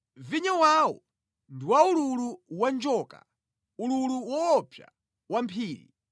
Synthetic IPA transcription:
viɲawaːwɔ̰ | ndiwaululuwand͡ʒɔːka̰ | ululuwɔːpʰja̰ | wampʰiːɾḭ

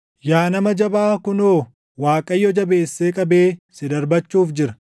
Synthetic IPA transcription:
jaːnɐmɐd͡ʒɐbaːkʊnoː | waːkʼɐjːɔd͡ʒɐbe̞ːsːeːkʼɐbeːsɪd̪ɐɾbɐt͡ʃːuːfd͡ʒɪɾɐ

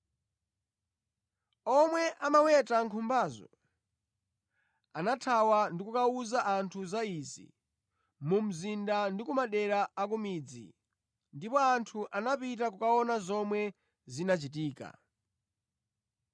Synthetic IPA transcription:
ɔmwɛʔamawɛtaŋkʰumbaːzɔ̰ | anatʰawandikukauzaʔantʰuzaizḭ | mum̩zindandikumaɗɛɾaːk̬umid͡zḭ | ndipɔantʰuʔanapit̬ak̬ukaɔnazɔmwɛ | zinat͡ʃitiːka̰

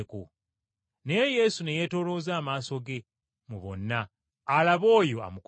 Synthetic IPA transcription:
ko | neeje̞sune̞jeto̞ːlo̞ːzaːmaːso̞ɡe̞ | muβo̞̰nːaː | laβo̞ːjo̞a̰muk

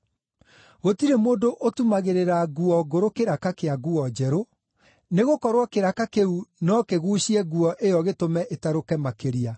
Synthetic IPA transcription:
ɣotiɾemoːndoʔotumaɣeɾeɾaɣuɔɡoɾokeɾakakeaɣuɔd͡ʑɛɾo | neɣokɔɾwakeɾakakeunɔkeɣuːɕiɛɣuɔʔejɔɣetomɛʔetaɾokɛmakeɾia

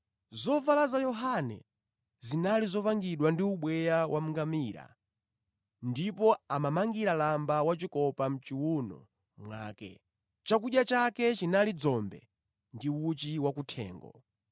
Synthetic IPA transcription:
zɔvalazajɔɦanɛ̰ | zinalizɔpaŋɡiɗwandiuɓwɛjawʔam̩ŋɡamiːɾa̰ | ndipɔamamaŋɡiɾalambawat͡ʃikɔpam̩t͡ʃiwunɔ̰ | mwa̰ːkɛ̰ | t͡ʃak̬uɗjat͡ʃakɛt͡ʃinalid͡zɔmbɛ̰ | ndiut͡ʃiwakutʰɛ̰ːŋɡɔ̰

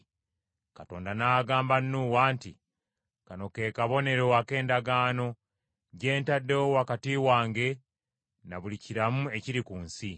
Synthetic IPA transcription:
kato̞̰ːndanaːɡaːmbanːuwaːnti | kano̞ke̞ːkaβo̞ne̞ɾo̞ake̞ːndaɡaːno̞ | ɟe̞ːntadːewowakatiːwaːŋɡe̞ | naβuliciɾamue̞ciɾikuːnsi

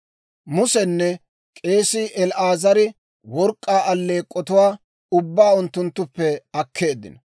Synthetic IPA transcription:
mʊsɛnːɛ | kʼe̞ːsɪʔɛlʔaːzɐɾɪ | wɔɾkʼːaːʔɐlːe̞ːkʼːɔt̪ʊwaː | ʊbːaːʊnt̪ːʊnt̪ːʊpːɛɐkʰːe̞ːd̪ɪ̰nɐ

